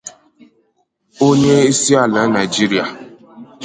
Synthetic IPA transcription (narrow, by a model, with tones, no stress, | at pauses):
o˦ɲe˦i˦si˦a˦˨la˨˦na˨i˨d͡ʒi˦ɾi˨a˨